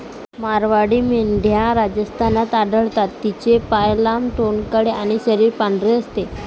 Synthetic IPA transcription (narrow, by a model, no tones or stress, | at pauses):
maɾʋaɽiːmeɳɖʱjãɾad͡ʑəst̪ʰanat̪aɖəɭt̪at̪ːit͡ɕepajlamʈonkəɽeaɽ̃iɕəɾiːɾpaɳɖɾeəst̪e